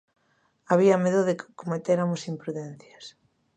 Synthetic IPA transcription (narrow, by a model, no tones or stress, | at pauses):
aβ̞iameðoðɪkkomet̪eɾamosimpɾuðɛn̟θjɐs